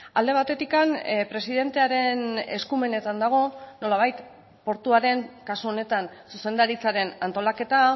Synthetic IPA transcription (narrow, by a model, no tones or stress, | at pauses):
ald̪e̞β̞at̪e̞t̪ikanpɾe̞siðe̞nt̪eaɾe̞ne̞̰skume̞ne̞t̪and̪aɣ̞o̞no̞laβ̞ajt̪ | po̞ɾt̪uaɾe̞ŋkasuo̞ne̞t̪ansuse̞nd̪aɾit͡saɾe̞nant̪o̞lake̞t̪a